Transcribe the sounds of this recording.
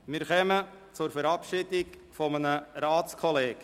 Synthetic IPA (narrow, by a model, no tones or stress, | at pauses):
mɪɾχɛmə | t͡sʊɾfɛɾɑpʃidɪk | fɔmənəɾaːt͡skʰɔleːɡ